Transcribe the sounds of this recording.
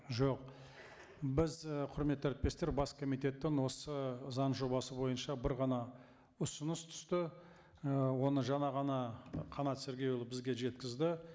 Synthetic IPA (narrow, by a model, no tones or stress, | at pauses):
ʒo̞q | bɪzqʰʊɾme̞t̪ːæɾɪt̪̚pe̞st̪e̞ɾbɑskʰo̞mijt̪e̞t̪ːɪŋwo̞səzɑɴʒo̞bɑsəbo̞jənʃɑbɪɾʁɑnɑ | ʊsʊnəst̪ʰʏ̥st̪ɪ | wo̞nəʒɑnɑʁɑnɑqʰɑnɑt̪seɾɡʲe̞julˠəbɪzɡʲe̞ʒe̞t̪kʲɪzd̪ɪ